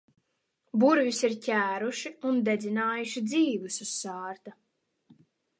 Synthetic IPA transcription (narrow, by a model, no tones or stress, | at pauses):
buɾvisiɾcʲæːɾuʃiund̪ed̪zinaːjuʃid̪ziːvususːaːɾt̪a